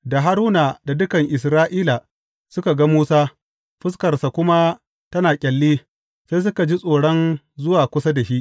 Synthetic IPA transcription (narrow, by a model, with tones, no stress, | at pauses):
da˨ɦa˦ɾuː˦na˨da˨dʊ˦kɐ˨ŋʔɪ˨s̬ɾaː˦ʔiː˦la˨ | sʊ˦ka˨ɡa˦muː˦saː˦ | ɸɪ˦skɐ˨rsa˨kʷʊ˦ma˦ | tɐ˦naː˨kʲʼɛ˨lːiː˦ | se˦js̬ʊ˦ka˨d͡ʒi˦sʼoː˨ɽɔ˦n | zʊ˦waː˨kʷʊ˦sa˦da˨ʃi˦ʔ